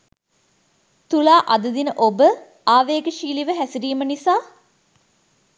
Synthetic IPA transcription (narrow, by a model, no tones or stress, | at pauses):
t̪ulaːʔad̪əd̪inəʔobə | aːʋeːɡəʃiːliʋəɦæsiɾiːmənisaː